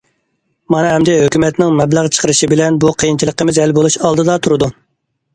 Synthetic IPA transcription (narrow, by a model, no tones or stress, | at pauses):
mɑnɨɦɛmd̪ɛɦøkʲymɛt̪nɪŋmɛblæʁt͡ʃʰə̥qʰəɾɨʃibɪlɛnbuqʰəjint͡ʃʰilˠəqːəmɪzɛlbolˠuʃɑlˠd̪ɨd̪ɑt̪ʰuɾɨd̪u